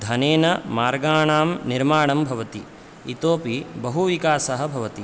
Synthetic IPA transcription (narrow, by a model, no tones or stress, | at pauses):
d̪ʱɐneːnɐmaːɾɡaːɳaːmniɾmaːɳɐmbʱɐʋɐt̪i | it̪oːpibɐɦuʋikaːsɐɦɐ̆bʱɐʋɐt̪i